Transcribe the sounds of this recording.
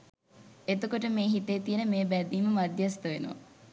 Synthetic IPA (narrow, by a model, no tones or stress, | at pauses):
et̪okoʈəmeːɦit̪ejt̪ijənəmeːbæd̪iːməmad̪jast̪əʋenṵʋa̰